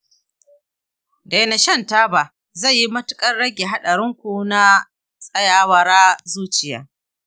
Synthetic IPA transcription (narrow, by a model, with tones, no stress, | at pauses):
da˨na˨ʃɐ˦˨ntaː˦ba˨ | zɐ˦˨jːi˦mɐ˦tʊ̥˦kʼɐ˦rɽɐ˦ɡʲe˨ɦa˦ɗɐ˨ɾɪ˦ŋkʷu˨na˦ | sʼɐ˦jaː˨wɐ˨ɾaː˦zuː˦t͡ʃɪ˨ja̰ː˦